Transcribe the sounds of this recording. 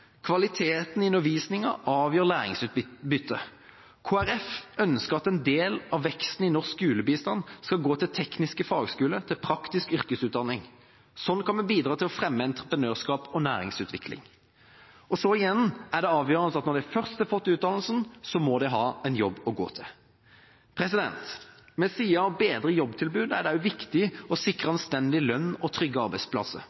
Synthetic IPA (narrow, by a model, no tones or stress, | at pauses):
kʰʋɑlɪt̪ʰeːt̪nɪʉnəʋiːsnɪŋɑ̰ʔɑːʋjøːʁlæːʁɪ̰ŋsʉbʏt̪ʰːə | kʰoːæɾɛfœnskəʁɑt̪ɛnd̪eːlɑʋʋɛkst̪n̩ɪnɔsʉːləbiːst̪ɑnːskɑlɡoːt̪ʰɪlt̪ʰɛknɪskəfɑːɡskʉːlət̪ʰɪlpʰʁɑkt̪ɪskʏʁkəsʉːt̪d̪ɑnːɪŋ | sɔnːkʰɑnmɛbiːd̪ɾɑːt̪ɪlɔfʁɛmːəɛnt̪ʁəpʁənøːʁskɑːpɔnæ̰ːɾɪ̰ŋsʉːt̪ʋɪkʰlɪ̰ŋ | ɔsɔɪjɛnːæʁd̪ɖ̪ɛɑːʋjøːʁənɑt̪nɔʁɾd̪ææfœʁst̪ɛfɔt̪ːɪʉːt̪̚d̪ɑnl̩sn̩sɔmɔd̪ɛɦɑːɛnjɔbːɔɡo̰ːt̪ʰɪl | pʰʁɛsɪd̪ɛ̰nt̪mɛsiːəɑʋbeːd̪ɾəjɔbt̪ʰɪlbʉːd̪æʁɖ̪ɛæʋɪkt̪ɪɔsɪkʁəɑnst̪ɛnd̪ɪlœnːɔt̪ʰʁʏɡːəɑʁbæɪspʰlɑ̰sə̰